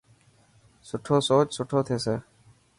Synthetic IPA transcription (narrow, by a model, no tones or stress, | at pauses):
sʊʈʰoːsod͡ʒsʊʈʰot̪ʰesə